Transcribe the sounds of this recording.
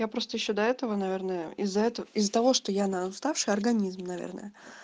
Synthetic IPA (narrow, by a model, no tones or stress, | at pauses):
japɾo̞st̪əjɪɕːod̪ɐɛt̪əvənɐvʲe̞rnəjəɪzːɐɛt̪əəɪzːət̪ɐvo̞ʂt̪ojanɐst̪afʂɨjɐrɡɐnʲizmnɐvʲḛrnə̰jə